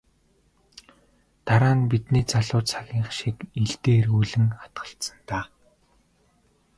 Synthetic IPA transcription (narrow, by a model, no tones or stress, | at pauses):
t̪aɾaːnpit̪niːt͡saɮʊːt͡sʰaɣʲiːɴχʃikiɮt̪eːrɣuːɮɘ̆ŋχḁt̪ɢə̆ɬt̪sə̆nt̪aː